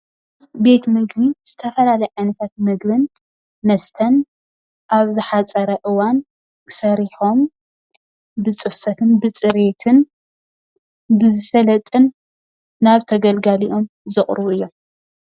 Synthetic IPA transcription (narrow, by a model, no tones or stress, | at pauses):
be̞t̪mɨɡbiz̥ɨt̪ʰɐfɐlalɐjʕajnɐt̪ʰat̪̚mɨɡbɨn | mɐst̪ʰɐn | ʔaβzɨħat͡sʼɐɾɐʔɨwan | kʰɨ̥sɐɾiħo̞m | bɨt͡sʼɨfːɐt̪ʰɨnbɨt͡sʼɨɾe̞t̪ʰɨn | bɨzɨsɐlɐt̪ʼɨnː | aβt̪ʰɐɡɐlɡaliʔo̞m | zɨχʼɾβuɨjːo̞m